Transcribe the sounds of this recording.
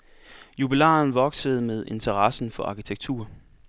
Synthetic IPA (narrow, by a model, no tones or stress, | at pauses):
jub̥ilɛ̰ːnʋɒ̽ɡ̥səð̞̩ˠmeð̞ˠe̝nt͡sʰɐʁɑsn̩fɒ̽ʔɑ̈kʰit͡sʰeɡ̥̚t͡sʰṵːɐ